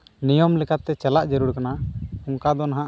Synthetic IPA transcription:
nijɔmlɛkʰat̪ɛt͡ʃɛlaʔd͡ʒɛɾuɽkanaɔŋkad̪ɔnaɦãʔ

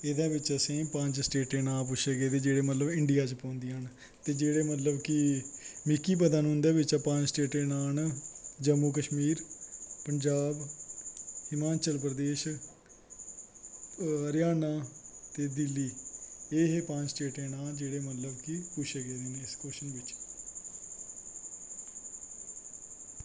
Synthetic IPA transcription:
ɪd̪ãːbɪt͡ʃəsẽːpə̃ɲd͡ʒsʈeːʈẽːnaːp̬ʊʃʰeːɡeːd̪eːd͡ʒeːɽeːmət̪ləbɪɳɖijaːt͡ʃpõːnd̪iɦən | t̪eːd͡ʒeːɽeːmət̪ləbkɪmɪkːiːp̬əd̪anɦʊ̃nd̪eːʋɪt͡ʃapãɲd͡ʒsʈeːʈẽːnaːnd͡ʒəmːukəʃmiːɾpəɲd͡ʒaːb | ɪmãːt͡ʃəlpɾəd̪eːʃ | əɾjaːnaːt̪eːd̪ɪlːiːeːɦepãːɲt͡ʃsʈeːʈẽːnaːld͡ʒeːɽeːmət̪ləbkipʊʃeːɡeːd̪eːnẽːɪskoːʃənʋɪt͡ʃ

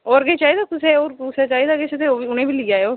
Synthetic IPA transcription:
oːɾɡeːt͡ʃaːɦiːd̪aːkʊseoːɾkʊseːt͡ʃaːɦiːd̪aːɡet͡ʃʰt̪eːoːiʊnẽːbiːlɪːaːeoː

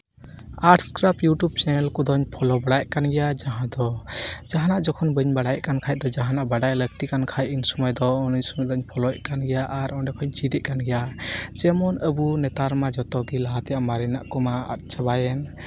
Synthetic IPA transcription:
aʈskɾapjuʈjub̚t͡ʃɛnɛlkɔd̪ɔɲpʰɔlɔbaɽajkanɡɛjad͡ʒaɦãd̪ɔd͡ʒaɦanaʔd͡ʒɔkʰɔnbəɲbaɽajʔkankʰajd̪ɔd͡ʒaɦanaʔbaɖajləɡ̚t̪ikankʰajinsɔmɔjd̪ɔːnɔɲsɔmɔjd̪ɔɲpʰɔlɔjkanɡɛjaʔaɾɔnɖɛkʰɔɲt͡ʃid̪ɛʔ̚kanɡɛjat͡ʃɛmɔnəbunɛt̪aɾmad͡ʒɔt̪ɔɡilaɦat̪ɛjaʔmaɾɛna̰ʔkɔmaa̰t̪̚ˀt͡ʃʰabajɛn

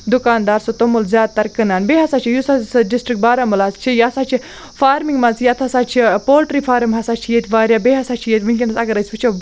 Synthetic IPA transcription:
d̪ukaːnd̪aːɾsot̪omulzʲjaːd̪̚t̪ɐɾkɨnaːnbeːɦɐsat͡ʃʰijusasɖisʈɾik̚baːɾamulaːst͡ʃʰijasat͡ʃʰi | faːɾmiŋɡmɐzjɐt̪ʰɐsaːt͡ʃʰipoːlʈɾifʰaːɾɐmɦɐsaːt͡ʃʰijet̪ʲʋaːɾjaːbeːɦɐsat͡ʃʰijet̪ʲmɨŋkʲinɐsɐɡɐɾɐsʲʋɨt͡ʃʰo

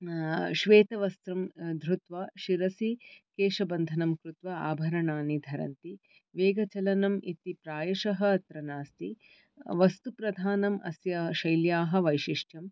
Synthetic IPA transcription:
ʃʋeːt̪ɐʋɐst̪ɾɐmd̪ʱɾut̪ʋaːʃiɾɐsikeːʃɐbɐnd̪ʱɐnɐmkɾut̪ʋɐa̰ːbʱɐɾɐɳaːnid̪ʱɐɾɐ̰nt̪i | ʋeːɡɐt͡ʃɐlɐnɐmʔit̪ipɾaːjɐʃɐɦɐ̆ɐt̪ɾɐnaːst̪i | ʋɐst̪upɾɐd̪ʱaːnɐmʔɐ̰sjɐʃɐjljaːɦɐ̆ʋɐjʃiʂʈjɐm

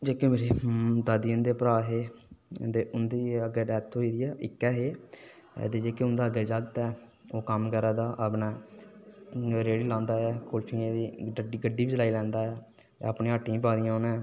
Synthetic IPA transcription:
d͡ʒeːkemeːɾeːd̪aːd̪iənd̪eːpəɾaːɦeːt̪eːʊnd̪iːəɡeːɖɛːt̪ʰɦoːiːd̪iːɛːʔɪkːɛːɦḛː | t̪eːd͡ʒeːkeʊnd̪aːəɡeːd͡ʒəɡt̪ɛː | oːkəmkəɾaːd̪aːʔabnɛ̃ː | ɾeːɽiːlãːnd̪aːɛːkolt͡ʃʰĩẽd̪iːiɡəɖːiːbid͡ʒlaːiːlɛ̃ːnd̪aːɛ̰ː | əpnĩːəʈːĩp̬aːd̪ijãːoːnɛ̃ː

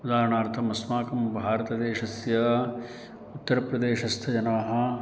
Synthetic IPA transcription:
ud̪aːɾɐɳaːɾt̪ʰɐmɐsmaːkɐmbʱaːɾɐt̪ɐd̪eːʃɐsjɐ | ut̪ːɐɾɐpɾɐd̪eːʃɐst̪ʰɐd͡ʒɐnaːɦɐ̆

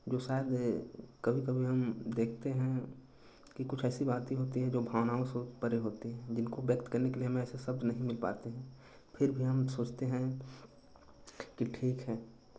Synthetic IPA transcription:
d͡ʒoːʃaːɪd̪kɐbʱikɐbʱiɦɐmd̪eːkʰt̪eɦɛ̃ | kikʊt͡ʃʰɛːsibaːt̪ĩɦoːt̪iɦɛ̃d͡ʒoːbʱaːʋnaːõsopɐɾeɦoːt̪iɦɛ̃d͡ʒɪnkoʋjəkt̪kɐɾnekelieɦɐmẽɛːsesɐbd̪nɐɦĩmɪlpa̰ːt̪eɦɛ̃ | pʰɪɾbʱiɦɐmsoːt͡ʃʰt̪eɦɛ̃ | kiʈʰiːkɦɛː

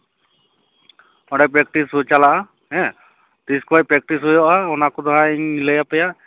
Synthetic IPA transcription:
ɔɽɛp̬ɾɛk̚ʈisɦut͡ʃalaʔa | ɦɛ̃ | t̪iskuajpɾɛk̚ʈisɦɔjɔʔaɔnakɔd̪aɦãiɲilɛjapɛjaʔ

